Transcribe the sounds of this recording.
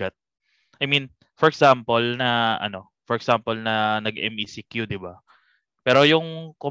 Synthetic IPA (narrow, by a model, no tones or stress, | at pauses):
ɐt̪̚ | ajmĩn | fɔɹɛksampolnɐʔɐ̰no̞ | fɔɾɛksampolnɐnɐɡɛ̰misikjud̪ɪba | pɛːɾo̞jʊŋko